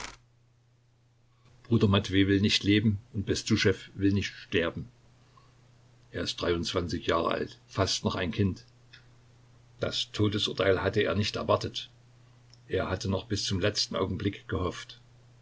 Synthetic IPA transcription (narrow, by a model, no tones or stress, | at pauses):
b̥ʁuːdɐmatv̥eːvɪlnɪçtʰleːbm̩ʊnt̚b̥ɛstuːʃɛfvɪlnɪçtʃtɛɐbm̩ | ʔeːɐɪstd̥ʁaɪʊnt͡sv̥ant͡sɪçjaːʁə̰ʔa̰ltfastnɔχaɪnkʰɪnt | d̥astʰoːdəsʔʊɐtʰaɪlhatəeːɐnɪçtɛɐvaɐtət | ʔeːɐhatənɔχb̥ɪst͡sʊmlɛt͡stn̩ʔa̰ʊɡŋ̩blɪkɡ̥əhɔft